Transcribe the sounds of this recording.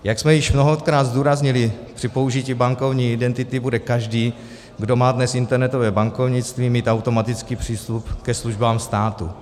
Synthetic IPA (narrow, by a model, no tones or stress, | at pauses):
jaksmɛjɪʃmno̞ɦot̪kɾaːd̪zduːɾazɲɪlɪpr̥ɪpo̞uʒiciːbaŋko̞vɲiːɪdɛnt̪ɪt̪ɪbudɛkaʒdiː | ɡdo̞maːdnɛsɪnt̪ɛɾnɛt̪ovɛːbaŋko̞vɲɪt͡st̪viːmiːt̪awt̪o̞mat̪ɪt͡skiːpr̝̥iːst̪upkɛsluʒbaːmst̪aːt̪ṵ